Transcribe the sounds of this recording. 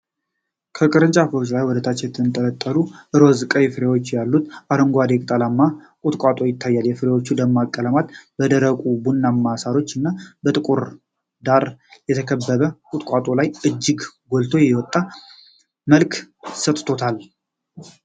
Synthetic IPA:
kʰəkʼɨɾɨnt͡ʃʼafɨɾot͡ʃlajwɔd̪ət̪ʰat͡ʃːjɛt̪ʰːɨnt̪ʼələt̪ʼːəluʔɨɾozɨkʼəjɛfɨɾewot͡ʃːjalːut̪ʔaɾəŋɡʷad̪ekʼt̪ʼalamːa | kʼʊt̪ʼkʼat̪ʼo̞jɪt̪ʰːajːaljɛfɨɾewot͡ʃːud̪əmːakʼːələmat̪bəd̪əɾəkʼubunːamːasaɾo̞t͡ʃːɨnːabət̪ʼɨkʼuɾ | d̪aɾjɛt̪ʰəkʰəbːəβəkʼʊt̪ʼkʼat̪ʼo̞lajɨd͡ʒːɪɡɡolt̪ʰojɛwɔt̪ʼːa | məlkʰsət̪ʼt̪ʰo̞t̪ʰal

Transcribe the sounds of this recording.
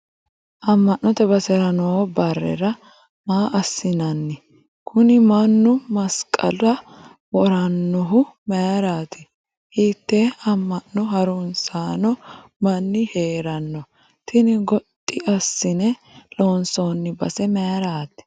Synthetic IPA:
ʔɐmːɐnnːɔt̪ɛbɐsɛɾɐnoːbɐrːɛ̰ɾɐ | maːʔɐsːɪnɐnːɪ | kʰʊnɪmɐnːʊmɐskʼɐ̰lɐ | wɔɾɐnːɔɦʊmɛjɾaːt̪ɪ | hiːt̪ːɛɐmːɐnːɔɦɐɾʊnsaːnɔmɐnːɪheːɾɐnːɔ | t̪ɪnɪɡɔt̪ʼːɪʔɐsːɪnɛloːnsoːnːɪbɐ̰sɛmɛɾaːt̪ɪ̥

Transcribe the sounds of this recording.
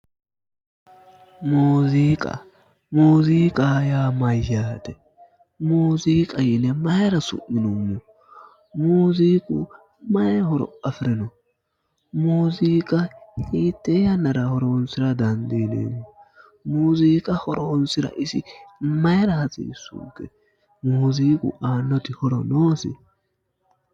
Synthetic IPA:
muːziːkʼɐ̰ | muːziːkʼaːjaːmɐjːaːt̪ɛ | muːziːkʼɐjɪnɛmɐjɾɐsʊ̰ʔːɪnʊmːʊ | muːziːkʼṵ | mɐjhɔɾɔ̰ɐfɪɾɪnɔ | muːziːkʼɐhiːt̪ːɛjɐnɐɾɐhɔɾoːnsɪɾɐd̪ɐnd̪iːnḛːmːʊ | muːziːkʼɐhɔɾoːnsɪɾɐ̰ʔɪsɪmɐjɐɾɐhɐt͡sʼḭːsṵːɡɛ | muːziːkʼʊ̰aːnːɔt̪ɪhɔɾɔnoːsɪ̰

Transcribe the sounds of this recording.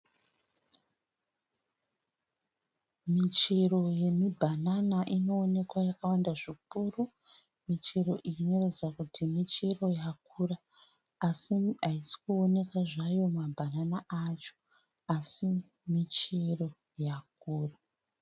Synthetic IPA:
mit͡ʃero̞je̞mibʱananaʔino̞ːne̞kwajakawandaʐikuro | mit͡ʃeɾo̞ʔiiɲo̞red͡zakutimit͡ʃero̞jak̚uːraː | siaisi̥kuo̞ne̞kaʐajo̞mabʱananaat͡ʃo̥ | asi | mit͡ʃero̞ | jak̚uːra

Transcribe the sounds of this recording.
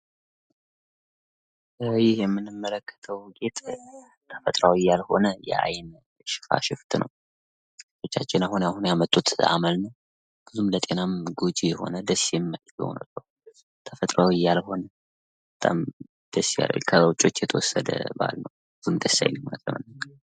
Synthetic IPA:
jɪhjɛmːɨnːɨmːələkːə̥t̪ʰəwɡe̞t̪ʼ | t̪ʰəfət̪ʼɾawijːalho̞nəjɛ̰a̰jn | ʃɪ̥fa̰ʃɪft̪nʔə̰w | ft̪ʰo̞t͡ʃːat͡ʃːɪnahunahunjamət̪ʼːut̪a̰məlnəw | b̥ɨzumlət̪ʼe̞namɡod͡ʒijɛho̞̰nəd̪əsːijɛmːəlɡo̰wnə̰bːəw | t̪ʰəfət̪ʼɾawijːalho̞nə | bət̪ʼːa̰m | d̪̥əsːija̰lə̰jkʰəwt͡ʃʼːo̞t͡ʃːjɛt̪ʰəwɔsːəd̪ə̰ba̰lnəwbɨzumd̪əsːa̰jnimmət̪ʼːəmə̰n

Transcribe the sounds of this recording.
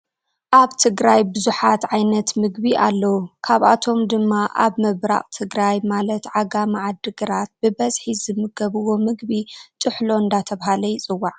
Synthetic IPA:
ʔaβt̪ʰɨɡɾajbɨzuħat̪ʕajnɐt̪mɨɡbiʔalːɐwukʰaβʔa̰t̪ʰo̞md̪ɨmːaʔa̰βmɨβɾa̰χʼt̪ʰɨɡɾajmalɐt̪ʕaɡamaʕad̪ɨɡɐɾat̪̚bɨbɐzħizɨmɨɡɐβɨwo̞mɨɡbit̪ʼɨħlo̞ɨnd̪at̪ʰɐβhalɐjt͡sʼɨwːaʕ

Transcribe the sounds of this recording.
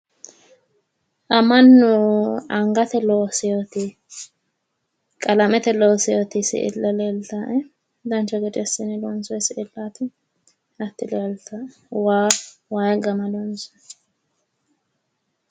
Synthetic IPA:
ʔɐmɐnːʊɐŋɡɐt̪ɛloːsɛjot̪ɪ | kʼɐlɐmɛt̪ɛloːsɛjot̪ɪsɪ̰ʔɪ̰lːɐleːlt̪aʔɛ | d̪ɐnt͡ʃːɐɡɛt͡ʃʼɛsːɪnɛlɔnsɔjsɪɪlːaːt̪ɪ | ɐt̪ːɪlɛlt̪a | wawajɡɐmɐd̪ɔnsɔ̥

